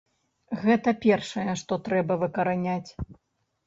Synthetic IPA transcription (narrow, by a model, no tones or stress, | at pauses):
ɣɛt̪ɐpʲɛrʂɐjɐʂt̪ɔt̪ɾɛbɐvɨkɐɾanʲat͡sʲ